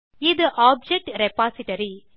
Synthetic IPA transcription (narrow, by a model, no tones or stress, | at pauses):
ɪd̪ɨʔaːb̚d͡ʒɛk̚ʈɾɛpaːsɪʈɐɾi